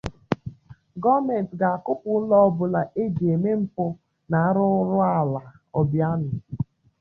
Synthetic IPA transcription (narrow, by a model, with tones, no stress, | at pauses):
ɡɔ˦me˨n̩˨tɡa˨a˨kʊ˦pʊ˨˦lɔ˦ɔ˦bʊ˨la˨ʔe˦d͡ʒe˨me˦m̩˦po˦ | na˨a˦ɾʊ˦ɾʊ˦a˦˨la˨ | ɔ˨bja˦nʊ˨